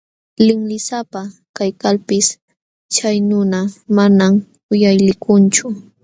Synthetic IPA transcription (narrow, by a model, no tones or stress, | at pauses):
lɪŋlɪsapa | kajkalpɪs | t͡ʃajnʊnamanam | ʊjajlɪkʰʊnt͡ʃʊ